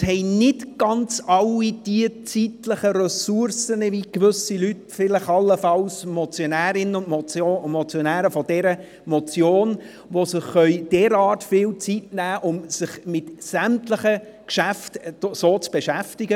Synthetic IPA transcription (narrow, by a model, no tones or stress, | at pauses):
hɛɪnɪtɡ̥ɑnt͡sɑlːid̥iət͡sitləχəɾɛsuɾsənəvikʋʏsilytfɪləχɑlːəfɑlsmɔt͡sjɔnæːɾɪnəʊnmɔt͡somɔt͡sjɔnæːɾəfɔd̥ɛɾə | mɔt͡sjoːn | ʋosɪχːœʏd̥ɛːɾɑːtfɪːlt͡sitnæːʔʊmsɪχmɪtsæmtləχə | kʃæftsoːt͡sb̥eʃæftɪɡə